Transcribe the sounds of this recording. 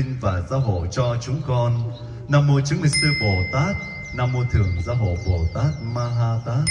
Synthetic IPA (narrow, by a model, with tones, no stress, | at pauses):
ŋvaː˨˩za̰ː˨˥ɦo̰˧˨jt͡ɕɔ˧t͡ɕʊ˨˦ŋ͡mkɔ˧n | naː˧mo˧t͡ɕɨ˨˦ŋmï˨˩ŋ̟sɨ˧ɓo˨˩t̪aː˦˥t̚ | naː˧mːo˧t̪ʰɨ˨˩əŋzaː˨˦ɦo̰˧˨jɓo˨˩t̪aː˦˥t̚maː˧ɦaː˧t̪aː˦˥